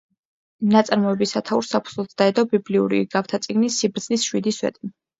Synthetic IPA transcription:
nat̪sʼaɾmɔɛbisat̪ʰauɾsapʰu̥z̥lˠɔt̪ʰd̪aɛd̪ɔbibliṵɾḭɡaft̪ʰat̪sʼiɡnisːibɾd̪z̥nisʃwid̪iswɛ̰t̪ʼi

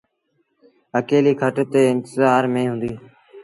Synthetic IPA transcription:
əkeːliːkʰəʈt̪eːɪnt̪əzaːɾmẽːɦʊ̃nd̪iː

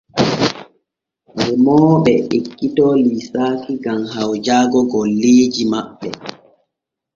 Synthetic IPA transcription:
ɾɛmɔːɓɛʔekːitɔːlisaːkiɡamɦawd͡ʒaːɡɔɡɔlːeːd͡ʒimaɓːɛ

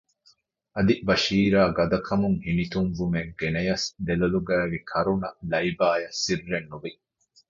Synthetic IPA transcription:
ʔɐd̪ibɐʃiːɾaːɡɐd̪ɐkʰɐmuŋhinit̪uŋvumeɡenɐjɐsd̪elɐluɡæːʋikʰɐɾunɐlɐibaːjɐsːirːenːuʋi

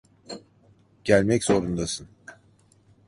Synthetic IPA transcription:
ɟ̥ælʲmɛcz̥o̞ɾund̪asɯn

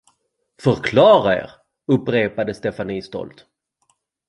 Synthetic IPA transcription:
fœɾkʰlɑːɾaḛːɾ | ɵpːɾeːpad̪əst̪ɛfaniːst̪ɔ̰lt̪

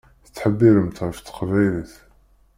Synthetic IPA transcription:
θət͡s̪ːħəbːiɾəmt̪ʁəft̪ːə̥qvæjliθ

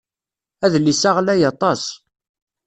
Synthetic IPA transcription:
æðlisaʁlæjɑt̪ˤɑs

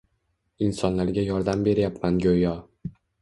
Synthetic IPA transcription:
ɪnsɒnlaɾɡʲajɒɾd̪ambe̞ɾjapmanɡʲojɒ

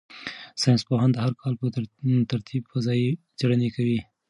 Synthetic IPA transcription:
sɑjnspoɦand̪haɾkʰɑlpət̪aɾt̪ʰibfazɑi | d͡ʒaɽanekawi

